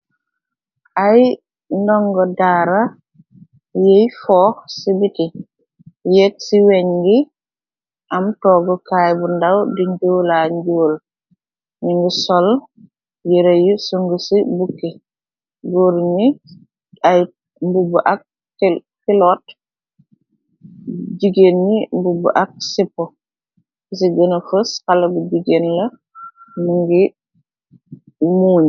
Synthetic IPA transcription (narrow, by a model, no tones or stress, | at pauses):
ʔaj | ndɔŋɡɔdaːɾa | jejfɔːsibiti | jek̚siweɲɡi | ʔamtɔːɡɔkajbundawdiɲd͡ʒuwlaɲɟoːl | niŋɡisɔl | jiɾejusoŋɡusibukːe | ɡoːɾɲi | aj | mbubuʔak̚ | filɔt | ɟiɡenɲimbubṵʔak̚sipːɔ | ɡis̬iɡənɐfəskalːɐbuɟiɡenlɐ | muŋɡi | muːɲ